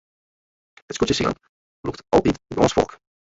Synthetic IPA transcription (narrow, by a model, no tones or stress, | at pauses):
ətskutjəsḭə̰n | luktʔɑlˠtitboɔ̃nsfɔ̰lˠk